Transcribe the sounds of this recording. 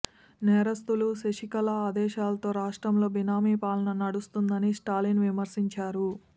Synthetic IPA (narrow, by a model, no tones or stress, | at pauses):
nɛːɾɐst̪uluseʂikɐlɐaːd̪ɛːʃaːlɐt̪o̞ːɾaːʂʈɾɐmlo̞ːbinaːmiːpaːlɐnɐnɐɽust̪und̪ɐnisʈaːlinʋimɐɾsiɲt͡ʃaːɾu